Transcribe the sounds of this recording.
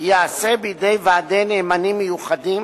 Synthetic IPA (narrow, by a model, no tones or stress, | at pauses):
jeasebijdejvaːde̞neːmanimːejuχadim